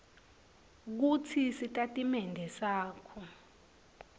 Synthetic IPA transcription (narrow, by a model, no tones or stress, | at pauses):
k̬utʰisitʼatʼimɛndʱɛsaːkʰɔ